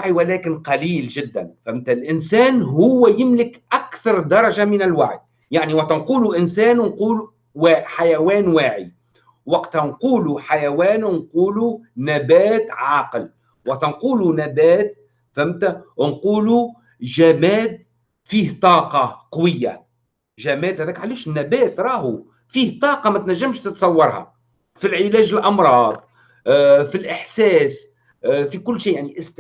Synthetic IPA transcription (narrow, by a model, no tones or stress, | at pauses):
ʕiwalæːkɪnqɑliːlʒɪd̪ːa̰nfamt̪alʔɪnsæːnɦʊwːajɪmlɪkʔakθɑɾˤd̪ɑɾˤɑʒamɪnɪlwaʕj | jaʕniwat̪anquːluʔɪnsæːnnquːl | waːħajawæːnwaːʕḭ | wɑqt̪hnquːluħajawæːnnquːlunabæːt̪ʕɑːql | wɑqt̪anquːlunabæːt̪̚ | fæmt̪ænquːlu | ʒæmæːd̪̚ | fiːht̪ˤɑːqɑqɑwɪjːa̰ | ʒæmæːd̪hæðæːkʕaliːʃnːæbæːt̪ɾˤɑːɦu | fiːht̪ˤɑːqɑmæt̪næʒːæmʃt̪ət̪sˤɑwːɑɾˤhɑ̰ | filʕɪlæːʒɪlʔɑmɾˤɑːðˤ | filʔɪħsɛːs | fikʊlːʃiːjaʕniʔɪs